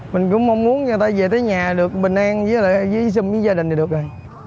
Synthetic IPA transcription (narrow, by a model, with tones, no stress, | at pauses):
mï˨˩ŋ̟kʊ̰˧˥ŋ͡mmɔ˧wŋ͡mmu˨˦ənɲa˧˩t̪aː˧jve˨˩t̪ʰəː˨˦jɲaː˨˩ɗɨ˨˩ək̚ɓï˨˩ŋ̟ʔaː˧ŋvə˨˦laː˨˩˧zə˨˦s̬i˧˩ŋi˨˦zaː˧ɗï˩ŋ̟˨˩ɗək̚maː˨˩j